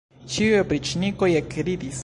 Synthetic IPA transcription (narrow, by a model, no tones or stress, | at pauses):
t͡ʃiujopɾit͡ʃnikojekɾid̪is